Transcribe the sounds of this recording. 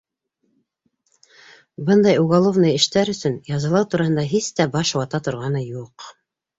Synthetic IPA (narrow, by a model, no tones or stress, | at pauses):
bɤnd̪ɑjuɣɑlˠovnɤjɘ̆ʃt̪æɾɵ̆sɵnjɑzɤlˠɑwt̪uɾɑhɤnd̪ɑɦist̪æbɑʃwɑt̪ɑt̪ŏɾʁɑnɤjuq